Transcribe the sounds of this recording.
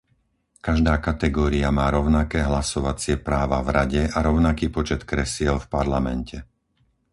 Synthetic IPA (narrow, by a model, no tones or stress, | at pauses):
kaʒd̪aːkat̪ɛɡɔːɾiamaːɾɔʊnakɛːɦlasɔʋat͡sɪɛpɾaːʋavɾaɟɛʔaɾɔʊnakiːpɔt͡ʃɛt̪kɾɛsɪɛlfpaɾlamɛncʰɛ